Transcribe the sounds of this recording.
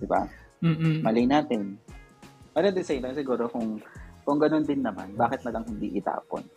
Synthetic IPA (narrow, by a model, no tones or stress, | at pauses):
d̪̥ɪba̰ | mɐlɛjnaːt̪ɪn | mɐɾɐnd̪ɪsɐɪnt̪ɐŋsɪɡuːɾokʊŋkʊŋɡɐno̞nd̪ɪnːɐma̰nbaːkɪt̪̚mɐlɐŋhɪnd̪ḭʔɪt̪a̰ːpo̰n